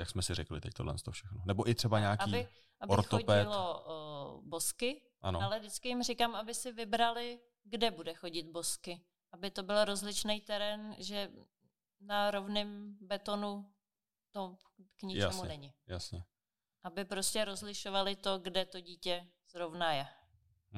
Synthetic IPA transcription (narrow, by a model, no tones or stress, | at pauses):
jaksmɛsɪɾɛklɪ̰t̪ɛc̚t̪odlɛ̰nst̪ofʃɛxnonɛboʔɪt̪r̥ɛbaɲaːaiːbɪ | ʔabɪɾtxooɟpɛɪlo | bo̞skɪ | ʔa̰noalɛdɪt͡skɪjɪmr̝ɪkamabɪsɪvɪbɾalɪ | ɡdɛbudɛxo̞ɟɪt̪̚boskɪ | ʔabɪt̪o̞bɪlɾo̞zlɪt͡ʃnɛjt̪ɛɾɛnʒɛ | naɾo̞vnɪmbɛt̪o̞nu | t̪o | kɲɪt͡ʃɛmuɲnɛɲɪjasɲɛ | ʔabɪpɾoscɛɾo̞zlɪʃovalɪt̪o̞ɡdɛt̪o̞ɟiːcɛ | z̥ɾovnajɛ